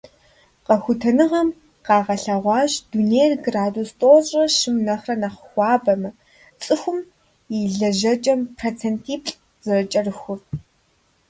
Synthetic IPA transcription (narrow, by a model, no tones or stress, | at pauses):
qɐxʷʊtʰɐnɨʁɐm | qɑːʁɐɬɐʁʷɑːɕdunejrɡraːdustʼoːɕʼɐʃɨmnɐχrɐnɐχxʷɑːbɐmɐ | t͡sʼɨxʷʊm | jiɮɐʒɐt͡ʃʼɐmpʰrot͡sʰentʰiːpɬʼ | zɐrɐt͡ʃʼɐrɨxʷʊr